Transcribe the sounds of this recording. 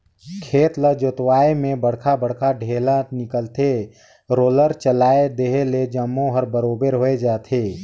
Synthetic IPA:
kʰeːt̪ləd͡ʒot̪waːemẽbəɽ̤kʰabəɽ̤kʰaɖʱeːlãnɪkəlt̪ʰe | ɾoːləɾt͡ʃəlaːed̪eɦeled͡ʒəmːõɦəɾbəɾoːbeɾɦoːed͡ʒaːt̪ʰeː

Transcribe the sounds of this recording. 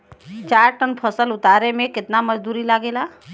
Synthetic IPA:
t͡ʃaːɾʈənpʰəsəlʊt̪aːɾemẽkɪt̪naməd͡ʒd̪uːɾilaːɡeːla

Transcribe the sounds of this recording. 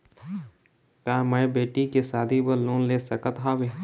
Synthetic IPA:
kaːməebeːʈikesaːd̪ʱibəlõːnleːsɐkət̪ɦaːbeː

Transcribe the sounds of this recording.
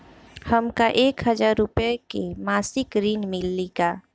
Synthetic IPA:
həmkaʔeːkɦəd͡ʒaːɾːʊpekemaːsɪkɾiːnmɪlːiɡaː

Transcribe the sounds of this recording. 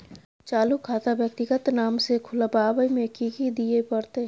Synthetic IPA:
t͡ʃaːlukʰaːt̪abjək̚t̪ɪɡət̪naːmsekʰʊlabaːbəimẽkiːkid̪iepəɾt̪e

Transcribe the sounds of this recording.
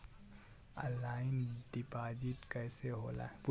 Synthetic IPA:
əlaːɪnɖipaːd͡ʒiʈkɛɪseɦo̰ːla̰ːpʊ

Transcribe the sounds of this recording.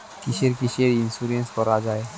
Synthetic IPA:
kɪʃeɾkiʃeɾinsuɾẽnskɔɾad͡ʒaːe

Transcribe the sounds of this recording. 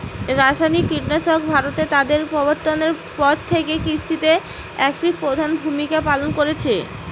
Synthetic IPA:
ɾaʃajnikːiʈnaʃok̚bʱaɾot̪et̪ad̪eɾpɔboɾt̪oneɾ | pɔd̪̚t̪ʰekekɾiʃit̪e | ɛkfɾik̚pɾod̪ʱanbʱumikapalonkoɾet͡ɕʰe

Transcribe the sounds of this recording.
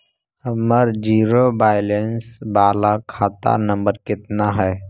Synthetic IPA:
əməɾd͡ʒiːɾobaːjlensbaːlakʰaːt̪a̰nə̃mbəɾkɪt̪naɦɛː

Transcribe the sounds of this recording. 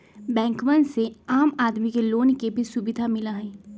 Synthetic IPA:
bɛ̃ːŋkmənseaːmaːd̪mikeloːnkebʱisubɪd̪ʱamɪlaɦɛː

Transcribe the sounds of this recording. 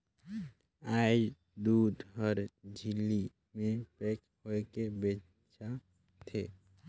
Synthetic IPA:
aː | d̪uːd̪ɦɔɾd͡ʒɪlːi | mẽpɛːk | hoekebeː | t͡ʃa | t̪ʰeː

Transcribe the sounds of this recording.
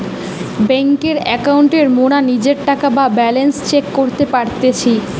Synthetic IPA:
bɛŋkeɾɛkawɳʈeɾmonanid͡ʑeɾʈakababɛlenst͡ɕekːoɾt̪epaɾt̪et͡ɕʰi

